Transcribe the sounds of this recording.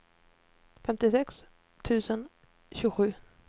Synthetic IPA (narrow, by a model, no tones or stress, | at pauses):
fɛmt̪ɪsɛks | t̪ʰʉ̟ːsən | ɕʉːɡɧʉ̟ː